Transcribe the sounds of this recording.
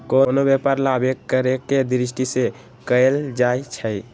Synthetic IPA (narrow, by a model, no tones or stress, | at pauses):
konobepaɾlabekːəɾeked̪ɾis̬ʈise | kəeld͡ʒajt͡ʃʰəj